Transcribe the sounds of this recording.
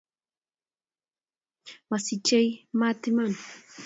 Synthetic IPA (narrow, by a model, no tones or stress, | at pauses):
masɪt͡ʃajmat̪ɪman